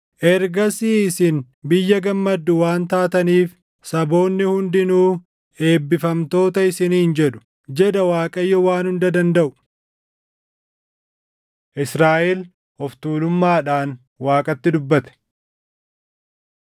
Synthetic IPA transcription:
ʔɛɾɡɐsiːɪsɪn | bɪjːɐɡɐmːɐd̪ːʊwaːnt̪aːt̪ɐniːf | sɐbo̞ːnːɪhʊnd̪ɪnuː | e̞ːbːɪfɐmt̪o̞ːt̪ɐɪsɪnːɪnd͡ʒɛᶑʊ̥ | d͡ʒɛd̪ɐwaːkʼɐjːɔwaːnhʊnd̪ɐd̪ɐnd̪ɐʔʊ̥ | ʔɪsɾaːʔel | hɔft̪uːlʊmːaːᶑaːn | waːkʼɐt̪ːɪd̪ʊbːɐt̪ɛ̥

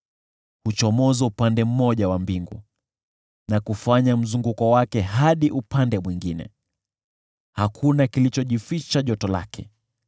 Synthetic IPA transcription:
hut͡ʃɔmɔzɛupandɛm̩mɔʄawambiŋɡu | nakufaɲam̩zuŋɡukɔwakɛɦaɗiʔupandɛmwiŋɡinɛ̰ | hakʰunakilit͡ʃɔʄifit͡ʃaʄɔtɔla̰kʰɛ

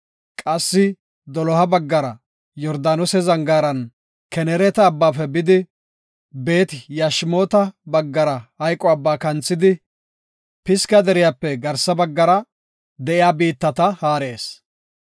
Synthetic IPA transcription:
kʼɐsːɪ | d̪ɔlɔhɐbɐɡːɐɾɐ | jɔɾd̪aːnɔsɛzɐŋɡaːɾɐn | kɛnɛɾɛt̪ɐːbːaːfɛbɪd̪ɪ | be̞ːt̪ɪjaʃɪmo̞ːt̪ɐbɐɡːɐɾɐhɐjkʼːɔɐbːaːkɐnt͡sːɪd̪ɪ | pɪskɐd̪ɛɾɪjaːpːɛɡɐɾsɐbɐɡːɐɾɐ | d̪ɛʔɪjaːbiːt̪ːɐt̪ɐhaːɾe̞ːs

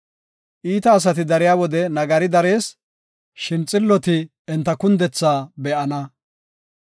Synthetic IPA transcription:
ʔiːt̪ɐːs̬ɐt̪ɪd̪ɐɾɪjaːwɔd̪ɛnɐɡɐɾɪd̪ɐɾe̞ːs | ʃɪnt͡sʼːɪlːɔt̪ɪ | ɛnt̪ːɐkʊnd̪ɛt͡sːaːbɛʔɐnɐ

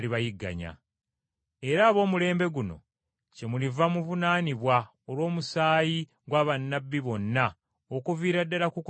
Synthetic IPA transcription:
liβajiɡːa̰ɲa̰ | e̞ɾaːβo̞ːmule̞ːmbe̞ɡuno̞̰ | ce̞mulivamuvunaːniβwa | olwo̞ːmusaːji | ɡwaːβanːabːiβo̞nːa | okuviːɾadːalakuk

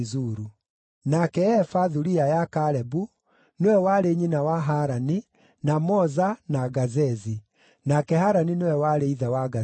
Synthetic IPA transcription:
zuɾu | nakɛɛfaðuɾiajakaɾɛbu | newɛwaɾeɲinawaɦaɾani | namɔzanaɣazɛzi | nakɛɦaɾaninewɛwaɾeiðawaɣa

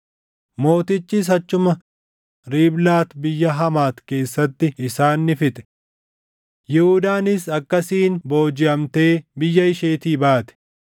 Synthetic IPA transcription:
mo̞ːt̪ɪt͡ʃːiːs̬ɐt͡ʃːʊmɐ | ɾiːblaːt̪bɪjːɐɦɐmaːt̪ke̞ːsːɐt̪ːɪɪsaːnːɪfɪt̪ɛ̥ | jɪhʊd̪aːnɪsɐkːɐsiːnbo̞ːd͡ʒɪʔɐmt̪e̞ːbɪjːɐɪʃeːt̪iːbaːt̪ɛ̥

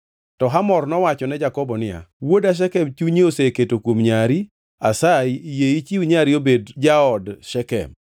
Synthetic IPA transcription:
tɔɦamɔrnɔwat͡ʃɔnɛd͡ʒakɔbɔnɪa̰wodaʃ̬ɛkɛmt͡ʃuɲeoseketokwomɲaɾi | asajjeit͡ʃiuɲaɾiobedd͡ʒaɔdʃɛkɛ̰m

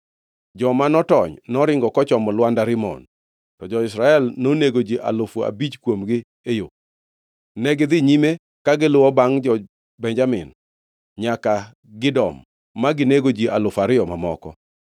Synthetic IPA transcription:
d͡ʒɔmanɔtɔɲnɔɾɪŋɡɔkɔt͡ʃɔmɔlwandaɾɪmɔ̰n | tɔd͡ʒɔɪsɾaɛlnoneɡod͡ʒiʔa̰lʊfa̰bit͡ʃkwomɡɪ | ejo | nɛɡɪd̪ɪɲime | kaɡɪlʊwɔbaŋd͡ʒɔ | bɛɲd͡ʒamɪ̰n | ɲaka | ɡɪdɔmː | aɡɪneɡod͡ʒiʔalʊfaɾɪɔmamɔ̰kɔ

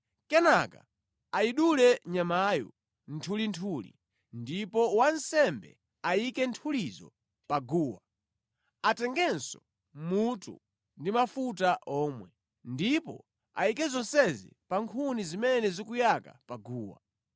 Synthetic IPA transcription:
kɛnaka | aiɗulɛɲamajɔ̰ | n̩tʰulintʰulḭ | ndipɔwansɛmbɛ̰ | aikɛntʰulizɔ̰ | paɡuːwa | atɛŋɡɛnsɔ | mutṵ | ndimafutaʔɔːmwɛ | ndipɔ̰ | a̰ikɛzɔnsɛzḭpaŋkʰunizimɛnɛzikujaka̰paɡuːwa̰

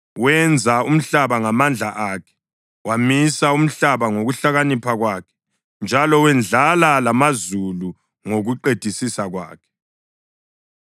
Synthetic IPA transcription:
wɛnd͡zʱaum̩ɬaβaŋamand͡ɮʱaʔakʰɛ̥ | wamisaum̩ɬaβaŋoɣuɬaɣanipʰaɣwakʰɛ̥ | nd͡ʒʱalɔwɛnd͡ɮʱalalamazulu | ŋoɣuǃed̥ʱisisaɣwa̰ːkʰɛ̥

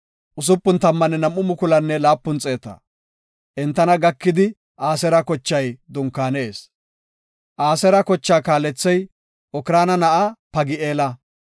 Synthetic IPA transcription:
ʔʊs̬ʊpːʊnt̪ɐmːɐnɛnɐmʔːʊmʊkʊlɐnːɛlaːpːʊnt͡sʼeːt̪ɐ̰ | ʔɛnt̪ːɐnɐɡɐkːɪd̪ɪ | ʔaːsɛɾɐkɔt͡ʃːɐjd̪ʊŋkːaːnɛeːs | ʔaːsɛɾɐkɔt͡ʃːaːkaːlɛt͡sːɛj | ʔɔkɪɾaːnɐnɐʔapɐɡɪeːlɐ

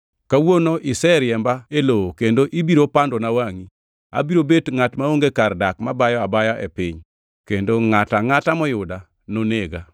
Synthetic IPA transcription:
kawonoʔɪsɛɾjɛmbaelookendoʔibiɾopandonawaŋi | a̰biɾobetŋatmaoŋɡekardakmabajɔabajaʔɛ̰pɪɲ | kendoŋataŋatamɔjʊda | noneɡa

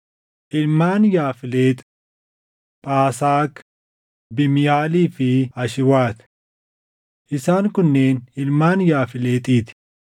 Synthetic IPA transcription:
ʔɪlmaːnjaːfɪle̞ːt̪ʼ | pʼaːsaːk | bɪmɪjaːliːfɪɐʃɪwaːt̪ | ʔɪsaːŋkʊnːeːnɪlmaːnjaːfɪleːt̪ʼiːt̪ɪ̥

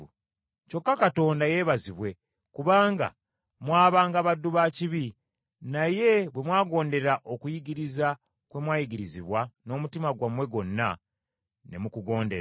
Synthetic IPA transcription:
co̞kːakato̞ːndaje̞ːβaziβwe̞ | kuβaːŋɡa̰ | mwaːβaːŋɡaβadːuβaːciβi | naje̞βwe̞mwaːɡo̞ːnde̞ɾaʔo̞kujiɡiɾiza | kwe̞mwaːjiɡiɾiziβwano̞ːmutimaɡwamwe̞ɡo̞nːa | ne̞̰mukuɡo̞ːnde

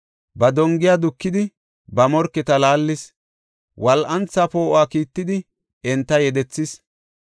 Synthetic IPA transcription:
bɐd̪ɔŋɡɪjaːd̪ʊkːɪd̪ɪ | bɐmɔɾkːɛt̪ɐlaːlːɪs | wʔɐlʔɐnt͡sːɐpo̞ːʔaːkiːt̪ːɪd̪ɪ | ɛnt̪ːɐjɛd̪ɛt͡sːɪs

